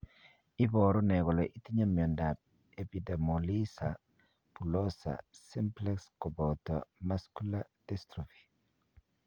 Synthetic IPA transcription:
i˦bɔɾɔ˦nɛ˨ɡɔ˨lɔʔi˦ti˦ɲa˦mi˨ɔ˨nda˨p̚ | e˨pi˨de˨molisa˨ | pu˨lɔ˦sa̰˨si˦mplɛ˦kskɔ˨bɔ˨tɔ̰ma˦sku˦la˦dɛstɾofi̥˨

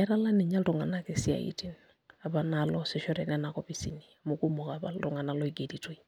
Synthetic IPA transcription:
ɛɾa˦la˦nɪ˨ɲa˦ltɔŋa˨na˦kɪ˨si˦a̰˨ḭti˦n | a˨ba˨nalɔ˦sɪ˨ʃɔ˦ɾɛ˨nɛna˨kɔ˦pisḭniamuku˦mɔ˨ka˨ba̰˦ltɔŋa˨na˦lɔ˦iɡe˨di˨to˦i

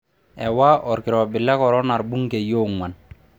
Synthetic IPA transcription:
ɛ˨wa˦ʔɔ˨ɾkɪ˨ɾɔ˨bɪ˨lːa˦kɔ˨ɾɔ˦na˨ɾbu˦ŋɡɛ˨jo˦ŋwa˨n

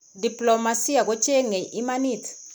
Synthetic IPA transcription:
di˨pʼlɔ˨ma˨si˦ja˨k̬ɔ˦t͡ʃʰʼɛ˦ŋɛ˨ʔi˦ma˦niː˦˨tʰi̥

